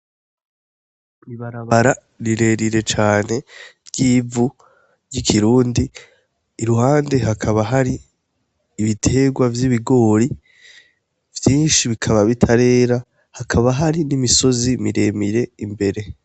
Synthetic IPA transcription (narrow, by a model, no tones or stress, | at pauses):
iβaɾaβaɾa | ɾiɾe̞ɾiɾe̞t͡ʃaːne̞ɾɟiːvu | ɾɟikʰiɾuːndiː | ɾuhaːnde̞ɦakʰaβaɦaɾiː | βitʰe̞ɡwavjiβiɡo̞ːɾi | vjiːnʃiβikʰaβaβitʰaɾe̞ːɾa | hakʰaβaɦaɾinimiso̞zimiɾe̞miɾe̞imbe̞ɾe̞